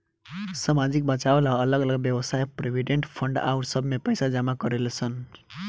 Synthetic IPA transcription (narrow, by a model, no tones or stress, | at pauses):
samad͡zik̚bat͡ʃaolaːləɡʌləɡbjʌbəsajpɾebʱiɖeɳʈpʰʌɳɖa̰uʈsʌbʱmepəjsad͡zamakʌɾelet͡sʰʌn